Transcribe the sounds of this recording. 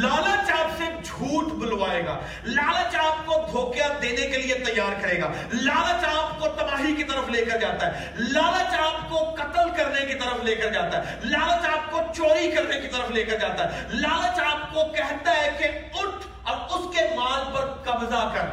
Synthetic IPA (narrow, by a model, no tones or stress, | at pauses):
laːlət͡ʃaːpsed͡ʒʱuːʈbʊlʋaːeːɡa̰ː | laːlət͡ʃaːp̚kod̪ʱoːkjad̪eːnekeliet̪ɐjːaːɾkɐɾeːɡa̰ː | laːlət͡ʃaːpkot̪ɐbaːɦikit̪ɐɾəfleːkəɾd͡ʒaːt̪aɦɛ | laːlət͡ʃaːpkokɐʈəlkɐɾnekit̪ɐɾəfʰleːkəɾd͡ʒaːt̪aɦɛ | laːlət͡ʃaːp̚kot͡ʃoːɾikɐɾnekit̪ɐɾəfʰleːkəɾd͡ʒaːt̪aɦɛlaːlət͡ʃaːp̚kokɛɦt̪aɦɛkeʊʈʰ | ɐbʊskemaːd͡ʒpɐɾkɐbzakɐɾ